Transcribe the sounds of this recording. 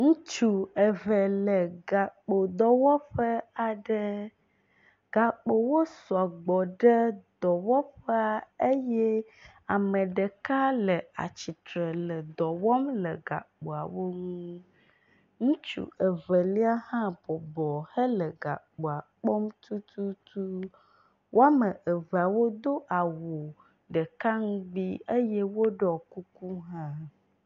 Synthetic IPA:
ŋũ˦t͡ʃu˨e˨vɛ˨lə˨ɡa˨k͡po˨d̪ɔ˨wɔ˦ɸə˦a˨ɖə˦ | ɡ̥a˨k͡po˨wo˦su˨a˨ɡ͡bɔ˨ɖe˦d̪ɔ˨wɔ˦ɸɛ˦a˦e˦jɛ˦ | a˨mə̃˨ɖe˨ka˦lə˨a̰˨t͡ɕi˨t̪ɾə˨lə˨d̪ɔ˨wɔ˦mlə˨ɡa̰˨k͡po˨a˨wo˦ŋũ˦ | ŋũ˦t͡ʃṵ˦ə˨və˨li˦a˦hã˦bɔ˨bɔ˨hə˦lə˨ɡa̰˨k͡po˨a˨k͡pɔ˦mt̪ʰu˦t̪ʰu˦t̪u˦ | wʔo˦a˦mə˨ʔə˨ve˨a˨wo˦d̪o˦ʔa˨wo˨ | ɖə˨ka˦ŋũ˦ɡ͡bi˦e˦jɛ˦wo˦ɖɔ˨ku˦ku˦ɦã˦

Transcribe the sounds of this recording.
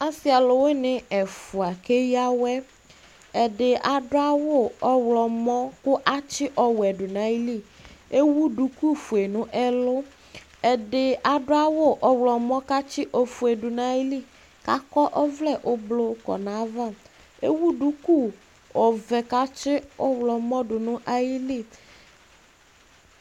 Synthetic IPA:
a˦si˦a˨lʊ˨we˦nɪ̃˨ɛ˨fu˨a˨ke˦ja˦wɛ˦ | ɛ˨dɪ˨a˨dʊ˦a˦wʊ˦˨ɔ˦wlɔ˨mɔ̃˦kʊ˦ʔa˦t͡ʃɪ˦ʔɔ˨wɛ˨ɖʊ˨nã˦i˦li˦˨e˦wu˦ɖu˨ku˦fu˨e˨nʊ̃˦ʔɛ˦lʊ˦ | ɛ˨dɪ˨a˨ɖʊ˦a˦wʊ˦ʔɔ˨wlɔ˨mɔ̃˦ka˦t͡ʃɪ˦ʔɔ˨fu˨e˨ɖʊ˨nã˦ji˦li˦˨ | ka̰˦kɔ˦ʔɔ˦vlɛ˦˨ʔʊ˦blo˦kɔ̰˨nã˨˦va˦˨ | e˦wu˦ɖu˦ku˦˨ | ɔ˨vɛ˨ka˦t͡ʃɪ˦ɔ˦wlɔ˨mɔ̃˦ɖʊ˨nʊ̃˦ʔa˦ji˦li˦˨

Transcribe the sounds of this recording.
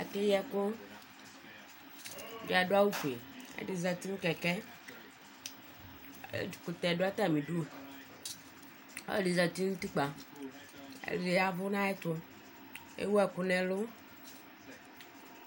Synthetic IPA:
e˨ke˦jɛ˦kʊ˦ | do˨a˨ɖo˦a˦wu˦fḛ˨ḛ˦di˨za˨t̪i˦ŋ̩˦kɛ˨kɛ˦˨ | ku˨t̪ɛ˨ɖo˦a˦t̪a˦˨mĩ˨ɖu˦˨ | o̰˦˨ɖi˨za˨t̪i˦ŋũ˦t̪i˦k͡pa˨ | ḛ˨li˨a˨vʊ˦nã˦ɛ˦t̪ʊ˦ | ḛ˦wu˦ɛ˨kʊ˨nɛ̃˨lʊ˦

